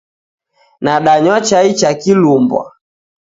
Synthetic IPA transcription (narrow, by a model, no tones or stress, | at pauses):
naɗaɲwat͡ʃait͡ʃakilumbwa̰